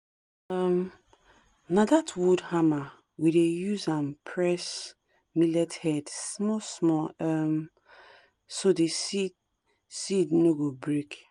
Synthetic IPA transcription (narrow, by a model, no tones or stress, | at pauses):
am | nadatʰwudhama | widejuzãnpʰɹɛs | milɛthɛdsmɔsmɔam | sodesi | sidnoɡobɹek